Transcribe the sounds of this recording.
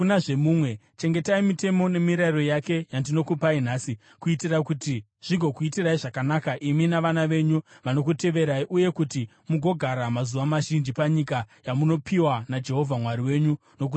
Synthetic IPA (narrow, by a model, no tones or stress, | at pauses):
unaʐemuːmwe̞ | t͡ʃe̞ŋɡe̞taimite̞mo̞ne̞miɾairo̞jake̞jandino̞kupainaːsi | kuitiraikuti | ʐ̥iɡʱo̞kuitiraiʐakanakaʔiminaʋanaʋe̞ɲuʋano̞k̬ute̞ʋe̞ɾaiʔuje̞kuti | muɡʱo̞ɡʱaɾamazuʋamaʒind͡ʒipaɲikajamuno̞pʰiwanad͡ʒe̞ɦo̞vʱamwaɾiwe̞ːɲu | no̞k̬u